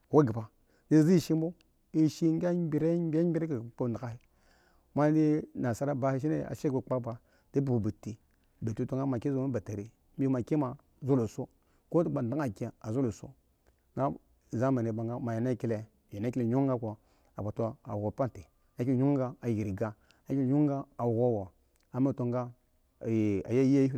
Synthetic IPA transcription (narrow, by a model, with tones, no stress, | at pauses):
wa˦ɡi˨pa˨ | de˦zi˦i˦˨ʃi˦m˦bo˦ | i˦ʃi˦ŋ˦ɡa˦bi˨ɾe˦be˦i˦ɾe˦ki˨k͡po˨n˨da˨ka˦hi˦ | ma˦n˦di˦na˨sa˦ɾa˦ba˨˦hi˦ʃ̬i˦ne˦˨a̰˨ʃe˦be˨k͡pa˦ba˨ | d̥e˦bu˨bu˨bu˨tːi˨ | be˨tu˦to˦ŋɡa˦ma˨ki˦zo˦a˦ba˨ta˨ɾi˨˦ | m˦i˦ma˨ki˦ma˨ | zo˦lo˨so˦ | ko˦tu˦ba˨nda˦ŋa˨kʲe˨a˨zo˦lo˨so̰˦ | ŋɡa˦˨ | za˦ma˨ni˨ba˨ŋɡa˦ma˨je˨na˦ki˦le˨ | je˨na˦ki˦le˨ɲu˦ŋ˦ɡa˦ko˨ | a˨ka˨to˦a˨o˨pa˦te˨ | a˨˦kʲi˦ɲu˦ŋɡa˦a˨ji˨ɾi˨ɡa˦ | a˦kʲi˦˨ɲu˦ŋɡa˦a˨ɣo˦˨wo˨ | a˨ma˦to˨ŋɡa˦˨ | a̰˨ja˦ji˦a˦ji˦˨